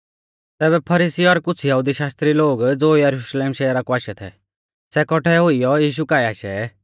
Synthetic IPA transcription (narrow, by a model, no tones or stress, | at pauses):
t̪ɛːβɛpʰɐɾiːsiɔɾkʊt͡sʰjɐɦud̪iʃaːst̪ɾiloːɡd͡zoːjɐɾuʃleːmʃɛːɾakɔaːʃɛt̪ʰɛ̰ | sɛkɔʈʰɛɦʊijɔjiːʃ̬ukaːɛaːʃɛ̰